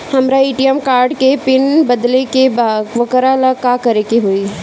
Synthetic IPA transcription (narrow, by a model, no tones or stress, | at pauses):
hɐmɾaiːʈijəmkaːɾɖkepɪnbɐd̪lekebaʋɐkəɾalakaːkɐɾekeɦoi